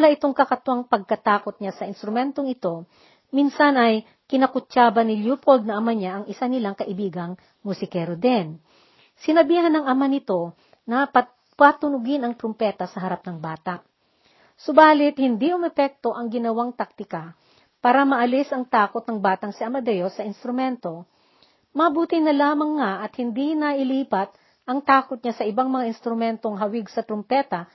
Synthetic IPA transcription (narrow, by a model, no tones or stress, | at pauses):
laʔɪt̪oŋkɐkɐt̪ʊʔɐŋpɐɡ̚kɐt̪aːko̞t̪̚ɲasɐʔɪnst̪ɾʊmɛnt̪oŋɪt̪o̞ | minsɐnɐj | kɪnɐkʊt͡ʃaːbɐnɪljuːpold̪̚nɐʔɐmaɲaʔɐŋɪsanɪlaŋkɐʔɪbiːɡɐŋ | mʊsɪkɛɾod̪ɛn | sɪnɐbiːɦɐnɐŋʔɐmanɪt̪o̞ | nɐpɐ | pat̪ʊnʊɡɪnɐŋt̪ɾompɛːt̪ɐsɐɦɐɾap̚nɐŋbaːt̪ɐʔ | sobaːlɪt̪hɪnd̪iʔʊmɛpɛk̚t̪o̞ʔɐŋɡɪnɐwaŋt̪ak̚t̪ɪka | paːɾɐmɐʔɐlɪsɐŋt̪aːkot̪nɐŋbaːt̪ɐŋsɪɐmɐd̪ɛjosɐɪnst̪ɾʊmɛnt̪o̞ | mɐbuːt̪ɪnːɐlaːmɐŋːaʔɐt̪hɪnd̪inɐʔɪliːpɐt̪̚ | ʔɐŋt̪aːkot̪̚ɲasɐʔɪbaŋmɐŋaʔɪnst̪ɾʊmɛnt̪o̞ŋɦɐwɪɡsɐt̪ɾompɛːt̪ɐ